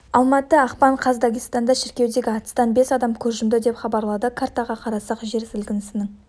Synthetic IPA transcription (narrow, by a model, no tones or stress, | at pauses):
ɑlˠmɑt̪əɑqpɑɴqʰɑzd̪aɡʲijst̪ɑnd̪ɑʃɪɾkʲewd̪e̞ɡʲɪɑt̪ə̥st̪ɑnbe̞sɑd̪ɑmkʲʰɵɾʒɪmd̪ɪd̪e̞pχɑbɑɾlˠɑd̪əkʰaɾt̪ɑʁɑqʰɑɾɑsɑqʒe̞ɾsɪlɡʲɪnɪsɪnɪŋ